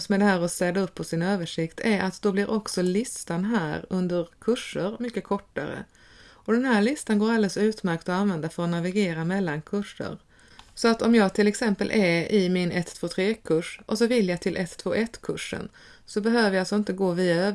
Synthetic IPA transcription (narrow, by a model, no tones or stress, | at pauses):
smɛd̪ɛhæːɾɔsɛd̪aɵpːɔsɪnøːvəʂɪkt̪ʰæɾʔat̪d̪ɔblɪɾʔɔksɔlɪst̪anɦæ̰ːɾɵnd̪əɾkʰɵʂːəɾmʏkːəkʰɔʈːa̰ɾə̰ | ɔd̪ɛnɦæːɭɪst̪anɡoːɾald̪ɛsʉ̟ːt̪mæɾkt̪ɔanvɛnd̪aɾfœɾɔnavɪɡeːɾamɛlːankʰɵʂːə̰ɾ | sɔat̪ɔmjɑːɡt̪ʰɪlːɛksɛmpəlʔɛɾɪmɪnɛt̪ʰːvoːt̪ʰɾeːkʰɵʂʔɔsɔvɪljɑt̪ʰɪlʔɛt̪ːʰvo̰ːʔɛt̪ːkʰɵʂːə̰n | sɔbɛɦøːvəɾjalsɔɪnt̪əɡoːviːaøː